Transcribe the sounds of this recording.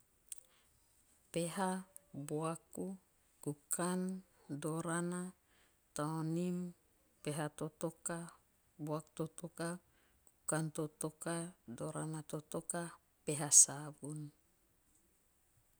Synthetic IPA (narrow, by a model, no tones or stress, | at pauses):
peɦa | boaku | kukʰan | doɾana | t̪aonim | peɦat̪ot̪oka | boak̚t̪ot̪oka | kukant̪ot̪okadoɾanat̪ot̪ɔka | peɦasabun